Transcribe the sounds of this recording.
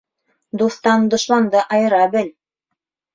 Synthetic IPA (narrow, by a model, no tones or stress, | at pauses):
d̪uθt̪ɑnd̪ŏʃlˠɑnd̪ɤʔɑjɤ̆ɾɑbɘl